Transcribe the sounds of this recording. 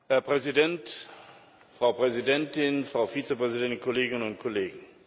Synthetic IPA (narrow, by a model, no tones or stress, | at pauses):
hɛɐpʁ̥ɛzidɛnt | fʁ̥aʊpʁ̥ɛzidɛntɪnfʁ̥aʊfiːt͡səpʁ̥ɛzidɛntɪnkʰɔleːɡɪnənʊnt̚kʰɔleːɡŋ̩